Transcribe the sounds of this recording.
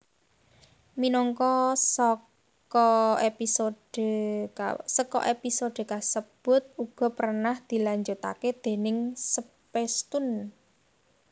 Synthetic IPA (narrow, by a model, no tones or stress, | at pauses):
minɔŋkɔsɔ | kɔepisod̥ə | səkɔ̰ʔepisoɖ̪̥e̤kasəb̥ʊ̤t̪̚uɡ̥ɔ̤pərnahd̪̥i̤laɲd͡ʒot̪a̰ked̪̥e̤nɪŋsəpest̪ʊn